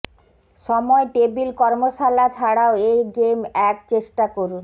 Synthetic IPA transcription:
ʃɔmɔeʈebilkɔɾmoʃalat͡ɕʰaɽaoejɡemɛk̚t͡ɕeʃʈakoɾun

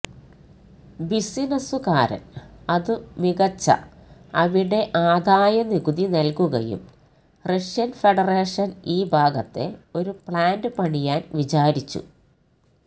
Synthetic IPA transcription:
bisinɐsukaːɾɐ̰nɐðɨmiɣɐt͡ɕːɐ̰ɐʋiɽe̞ʔaːd̪ʱaːjɐniɡuðinɐlkuɣɐ̰jṵm | reʂjɐnfeɽɐreːʂɐniːbʱaːɡɐt̪ːe̞o̞ɾupɭaːndɨpɐɳijaːnʋit͡ɕaːɾit͡ɕːṵ

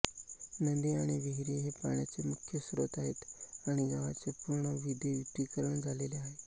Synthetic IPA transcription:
nənd̪iaɽ̃iʋeɦiɾeɦepa̰ɳjat͡semukʰːjəsɾot̪aɦet̪aɽ̃iɡaʋa̰t͡sepuɾɳəʋid̪ʱjeʋit̪ikəɾəɳ̃d͡zʱaleleaɦe

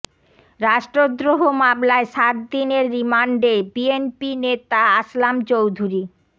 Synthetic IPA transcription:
ɾaʃʈɾod̪ɾoɦomamlaeʃaɾ̚d̪ineɾːimaɳɖebienpinet̪aaslamt͡ɕowd̪ʱuɾi

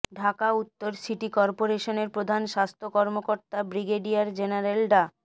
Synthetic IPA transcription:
ɖʱakaut̪ːoɾsiʈikɔɾpoɾeʃoneɾpɾod̪ʱanʃast̪ʰokɔɾmokoɾt̪abɾiɡeɖijaɾd͡ʑenaɾelɖa

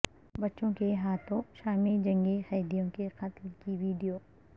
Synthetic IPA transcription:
bɐtːʃõkeɦaːt̪ʰõʃaːmid͡ʒɐ̃ŋɡexɐːd̪ijõkeqɐt̪lkiʋiːɖijoː

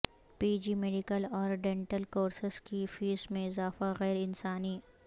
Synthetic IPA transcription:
piːd͡ʒimeːɖikəlɔːɾɖɛ̃ɳʈəlkoːɾsɪskifiːsmẽɪzaːfaɣɛːɾɪnsaːni

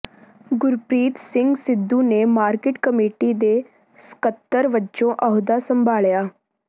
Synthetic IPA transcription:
ɡʊɾpɾiːt̪sɪŋɡsɪd̪ːuːneːmaːɾkɪʈkəmeːʈiːd̪eː | sə̥kət̪ːəɾʋət͡ʃõːʔəɦʊd̪aːsəmbʱaːɭjaː

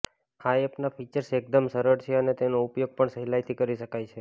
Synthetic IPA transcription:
hajepnafit͡ʃəɾsek̚d̪əmsəɾəɾt͡ʃʰeənet̪enoupjoɡ̚pəɳsəɦilajt̪ʰikəɾiʃəkajt͡ʃʰe

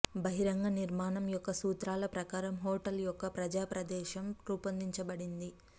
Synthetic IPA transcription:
bɐɦiɾɐŋɡɐniɾmaːnɐmjɔkːɐsuːt̪ɾaːlɐpɾɐkaːɾɐmɦoːʈɐljɔkːɐpɾɐd͡ʒaːpɾɐd̪ɛːʃɐmɾuːpɐnd̪iɲt͡ʃɐbɐɽind̪i

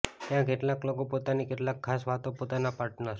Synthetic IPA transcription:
t̪jãkeʈlaklokopot̪anikeʈlakʰːasʋat̪opot̪anapaɾʈnə

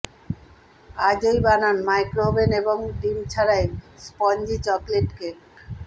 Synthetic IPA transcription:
ad͡ʑojbananmajkɾobeneboŋɖimt͡ɕʰaɾajspɔɲd͡ʑit͡ɕɔkleʈke

